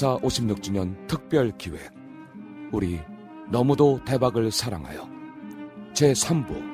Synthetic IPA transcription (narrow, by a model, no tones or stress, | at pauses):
sʰaʔoɕʰimɲuk̚t͡ɕ͈uɲʌntʰɯk̚p͈jʌɭkiwe̞̰ | uɾi | nʌmudote̞baɡɯɭsʰaɾa̰ŋɦa̰jo | t͡ɕe̞sʰambṵ